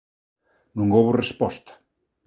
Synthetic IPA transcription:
nũŋowβorespɔst̪ḁ

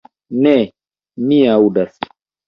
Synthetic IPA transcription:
nɛ | mĩaudasi̥

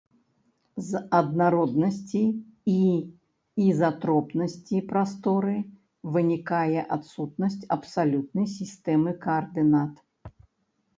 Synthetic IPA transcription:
zɐd̪naɾɔd̪nɐsʲt͡sʲiiː | zat̪ɾɔpnɐsʲt͡sʲipɾast̪ɔɾɨ | vɨnʲikajɛʔat̪sut̪̚nɐsʲt͡sʲɐpsalʲut̪̚nɐjsʲist̪ɛmɨkɐːrd̪ɨnat̪

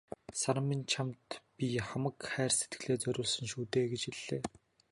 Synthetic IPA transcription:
saɾə̆mːint͡ɕʰamt̪piχamə̆kχæːrse̥t̪ɡɘ̆ɮeːt͡sœɾʲʊːɮsə̆ŋʃuːt̪eːɡet͡ɕiɮːeː

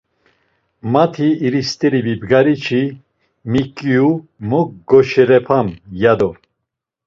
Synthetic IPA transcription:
mat̪ʰiːɾist̪ʼɛɾibibɡaɾit͡ʃʰi | mikʼijumɔkɡɔʃɛɾɛpʰamjad̪ɔ

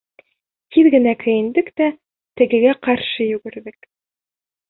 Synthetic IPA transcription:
t̪iðɡɘ̆nækɵ̆jɘ̆nd̪ɘkt̪æ | t̪ɘ̆ɡɘ̆ɡæqɑɾʃɤjʉɡɘ̆ɾðɘk

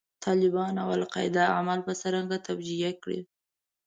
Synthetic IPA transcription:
t̪ʰɑlɪbɑnawalqɑ̰ɪd̪aamalpəsəɾaŋɡat̪abd͡ʒijakɽḭ

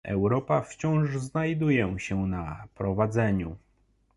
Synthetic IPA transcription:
ɛ̰wɾɔpaft͡ɕɔ̃w̃ʐznajd̪ujɛɕɛnapɾɔvad̪zɛɲu

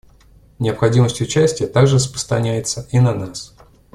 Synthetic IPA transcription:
nʲɪəpxɐdʲiməsʲtʲʊt͡ɕæsʲtʲɪjət̪aɡʐɨəs̬pə̥st̪ɾɐnʲæjɪt̪səʔinɐnas

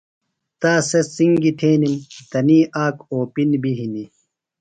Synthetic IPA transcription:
t̪aːsesiŋɡit̪ʰeːnimt̪ɐniːʔaːkoːpinbiɦini

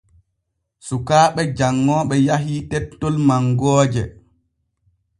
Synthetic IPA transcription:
sukaːɓɛd͡ʒaŋːɔːɓɛjaɦitɛtːɔlmaŋɡɔːd͡ʒɛ

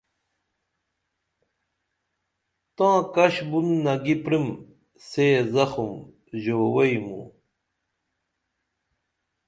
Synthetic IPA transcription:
t̪ãːkɐɕbunːɐɡipɾim | seːzɐxum | ʑoːwɐjmṵ

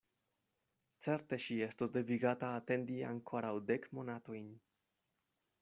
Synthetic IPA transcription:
t͡se̞ɾte̞ʃie̞stosde̞viɡataːte̞ndia̰ŋkʰo̞ɾawde̞kmo̞nato̞jn

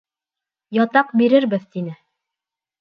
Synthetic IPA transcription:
jɒt̪ɑqbiɾɘɾbɘðt̪inɘ

